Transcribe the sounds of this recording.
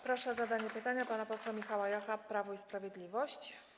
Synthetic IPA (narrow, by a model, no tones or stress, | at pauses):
pɾɔʂɛzad̪aɲɛpɘt̪aɲapanapɔswamʲixawajaxapɾavɔispɾavʲjɛd̪lʲivɔɕt͡ɕ